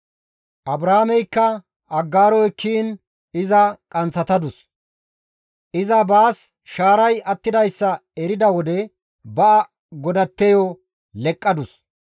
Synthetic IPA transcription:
ʔɐbɾɐhmɛjkːɐ | ɐɡːaːɾɔjkʰːiːn | ɪzɐkʼɐnt͡sːɐt̪ɐd̪ʊs | ʔɪzɐbaːs | ʃaːɾɐjɐt̪ːɪd̪ɐjsːɐɛɾɪd̪ɐwɔd̪ɛ | bɐʔɐ | ɡɔd̪ɐt̪ːɛjɔ | lɛkʼːɐd̪ʊs

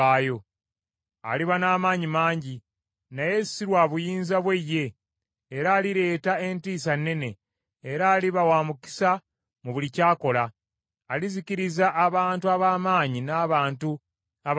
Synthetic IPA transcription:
aːjo̞ | a̰liβanaːmaːɲimaːɲɟi | naje̞siɾwaβujiːnzaβwe̞jːe̞ː | ɾaːliɾe̞ːtae̞ntiːsanːe̞ne̞ː | ɾaːliβawaːmuki̥sa | muβulicaːko̞laː | liziciɾizaʔːβaːntuaβaːmaːɲinaβaːntu | aβ

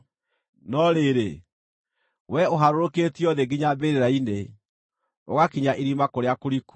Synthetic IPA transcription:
nɔɾeɾe | wɛoɦaɾoɾoketiɔðeɡiɲabeɾeɾaine | o̰ɣakiɲaʔeɾimakoɾeakoɾiku̥

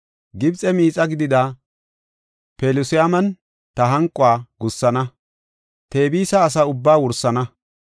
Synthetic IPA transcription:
ɡɪbt͡sʼɛmiːt͡sʼɐɡɪd̪ɪd̪a | peːlʊsɪamɐn | t̪ɐɦɐŋkʼːʊaːɡʊsːɐnɐ | t̪e̞ːbiːsɐːs̬ɐʊbːaːwʊɾsːɐnɐ

